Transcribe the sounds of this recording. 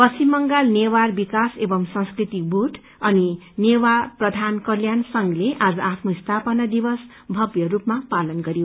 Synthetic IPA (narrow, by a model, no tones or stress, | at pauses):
pʌsimːʌŋɡalnewarbikasebʌmsʌ̃ŋskrit̪ibuʈʰ | ʌni | newaprʌd̪ʱankʌljansʌŋleʔad͡zʌapʰnoist̪ʰapʌnad̪ibʌs | bʱʌbjʌrupmapalʌnɡʌɾijo